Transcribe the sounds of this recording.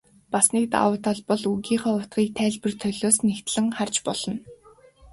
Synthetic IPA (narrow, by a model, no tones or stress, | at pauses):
pasniːk̚t̪a̰wə̆ːt̪ʰɔɮpɔ̆ɮuɣiːχɔːʊt̪ɢiːk̚t̪ʰæːɮpɘ̆rt̪ʰœɮoːsnext̪ɮɘ̆ŋχart͡ɕpɔɮ̥ɞ̆n